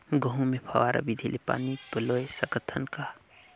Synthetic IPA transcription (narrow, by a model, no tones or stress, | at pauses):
ɡəɦũmepʰɐ̰ʋaːɾa̰bid̪ʱilʔipa̰ːnibəlojesəɡət̪ʰənka